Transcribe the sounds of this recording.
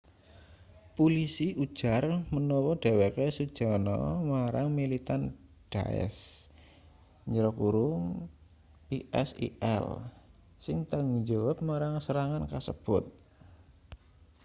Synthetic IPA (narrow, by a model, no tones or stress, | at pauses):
pulisiʔud̥ʒ̥a̤rmənɔwɔɖ̥e̤wekesud̥ʒ̥a̤nɔ̰maɾaŋmilit̪an | ɖ̥a̰ɛ̰s | ɲəɾɔkuɾʊŋ | piʔɛsḭʔɛ̰l | sɪŋt̪aŋuɲd͡ʒɔwap̚maɾaŋsəɾaŋankasə̰b̥ʊt̪̚